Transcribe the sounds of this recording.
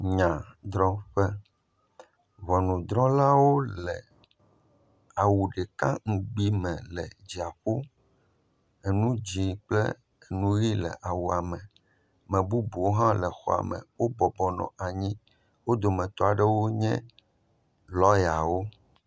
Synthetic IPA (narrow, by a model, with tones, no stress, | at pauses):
ɲã˨d̪ɾɔ̃˦ɸɛ˦ | βɔ˨nũ˨d̪ɾɔ̃˦la˦wo˦lɛ˨ | a˨wu˨ɖɛ˨kã̰˦ŋ̩˦ɡ͡bi˦mɛ̃˨lɛ˨d͡ʑi˨a˨ɸo˦ | e˨nũ˦d͡ʑi˨k͡plɛ̰˦ | e˨nũ˦ɣi˦lɛ̰˨ʔa˨wu˨a˨mɛ̃˨ | mɛ̃˨bu˦bu˨wo˦ɦã˦lɛ˨xɔ̰˦a̰˨mɛ̰̃˨wo˦bɔ˨bɔ˨nɔ̰̃˨ʔa˨ɲĩ˦ | wo˦d̪o˨mɛ̃˨t̪ɔ˦a˨ɖɛ˦wo˦ɲɛ̃˦ | lɔ˦ja˨wo˦